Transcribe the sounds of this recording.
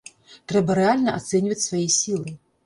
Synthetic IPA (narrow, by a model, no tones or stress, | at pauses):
t̪ɾɛbɐɾɛalʲnɐʔa̰t̪sɛnʲvɐt͡sʲsvajisʲilˠɨ